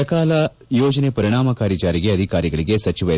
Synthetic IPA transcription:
ɐkaːlɐ | joːd͡ʒɐnepɐɾiɳ̃aːmɐkaːɾjɐt͡ʃaːɾiɡe̞ɐd̪ʱikaːɾiɡɐɭiɡesɐt͡ʃiʋɐ

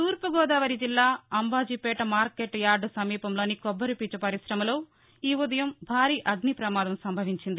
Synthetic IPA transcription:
t̪uːɾpɐɡɔːd̪aːʋɐɾid͡ʒilːaːɐmbaːd͡ʒipɛːʈɐmaːɾkeːʈːjaːɾɖɐsɐmiːpɐmlo̞ːnikɔbːɐɾupiːt͡ʃɐpɐɾisɾɐmɐlo̞ː | iːud̪ɐjɐmbʱaːɾiːʔɐɡnipɾɐmaːd̪ɐmsɐmbʱɐʋiɲt͡ʃind̪i

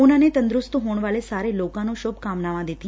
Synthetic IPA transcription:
nanet̪ə̃nd̪ɾʊst̪uɦoɳ̃ʋalesaɾelokãnõʃobkamnaʋãd̪et̪ĩ

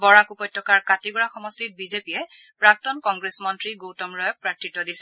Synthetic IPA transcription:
bɔɹakupɔj̚tʰːɔkaɹkatiɡɔɹaxɔmɔstit̚bizepijɛ | pɹak̚tɔnkɔŋɡɹesmɔntɹiɡowtɔmɹɔjɔk̚pɹatʰːɹitːɔdisɛ

